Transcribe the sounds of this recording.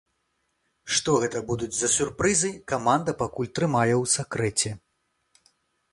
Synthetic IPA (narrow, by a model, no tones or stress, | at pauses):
ʂt̪ɔɣɛt̪ɐbud̪ud͡zʲzɐsʲurpɾɨzɨjkamand̪ɐpakulʲt̪ɾɨmajɛwsʲakɾɛt͡sʲɛ